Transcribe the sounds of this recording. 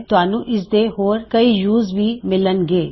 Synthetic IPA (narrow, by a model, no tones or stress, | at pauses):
t̪ʊaːnũʔɪsd̪eɦoːɾkɐijuːzbʱimɪlənɡeː